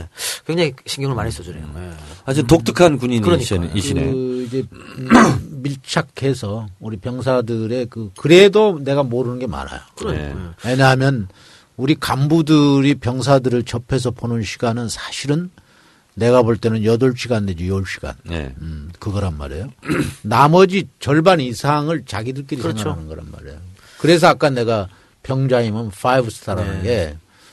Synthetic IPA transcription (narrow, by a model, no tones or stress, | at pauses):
ekweŋd͡ʑaŋiɕʰiŋɡjʌŋɯɭmaɲis͈ʌd͡ʑuɾeoad͡ʑint̬ok̚t͈ɯkʰankuɲinkɯɾʌɲiiḭid͡ʑe̞ | miɭt͡ɕʰakʰe̞sʰʌuɾipjʌŋs̬ʰadɯɾe̞kɯkɯɾe̞done̞ɡamoɾɯnɯnɡe̞ma̰na̰jo̰kɯɾ̰e̞ɲaɦamjʌn | uɾikambudɯɾipjʌŋsʰadɯɾɯɭt͡ɕʌpʰe̞s̬ʰʌpʰonɯnɕʰiɡanɯnsʰḁɕʰiɾɯnː | e̞ɡaboɭt͈e̞nɯnjʌdʌɭɕʰiɡanded͡ʑjʌɭɕʰi̥ɡ̥a̰n̰ | kɯɡʌɾanma̰ɾe̞̰jonamʌd͡ʑit͡ɕʌɭbanisʰaŋɯɭt͡ɕaɡidɯɭk͈eɾisseŋɡaanɯnɡʌɾa̰nma̰ɾḛjo | kɯɾe̞s̬ʰʌak͈ane̞ɡa | pjʌŋd͡ʑaimɯnfʰaibsʰtʰaɾanɯnɡe̞